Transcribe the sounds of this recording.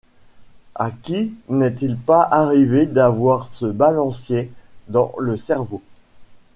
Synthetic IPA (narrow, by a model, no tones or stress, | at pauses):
a̰kʲinɛt̪ilpaʔaʁived̪avwaʁsəbalɑ̃sjed̪ɑ̃ləsɛʁvo